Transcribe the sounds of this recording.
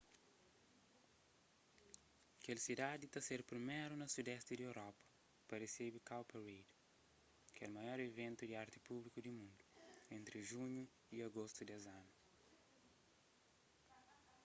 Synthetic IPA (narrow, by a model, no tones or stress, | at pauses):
kelsid̪ad̪it̪ɐseɾpɾimɛɾunɐsud̪ɛst̪id̪iewɾɔpɐ̥ | pɐresebikawpeɾejd̪ | kɛlmɐjɔɾevẽnt̪ud̪iaɾt̪ipublikud̪imũnd̪uẽnt̪ɾiʒuɲu | iɐɡost̪ud̪ɛzanu